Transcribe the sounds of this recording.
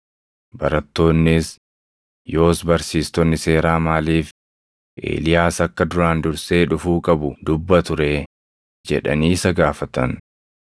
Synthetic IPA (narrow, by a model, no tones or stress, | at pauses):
bɐɾɐt̪ːo̞ːnːɪs | jo̞ːsbɐɾsiːst̪ɔnːɪse̞ːɾaːmaːliːf | ʔḛːlɪjaːsɐkːɐd̪ʊɾaːnd̪ʊɾse̞ːᶑʊfuːkʼɐbʊd̪ʊbːɐt̪ʊɾeː | d͡ʒɛ̰ᶑɐ̰niːsɐɡaːfɐt̪ɐn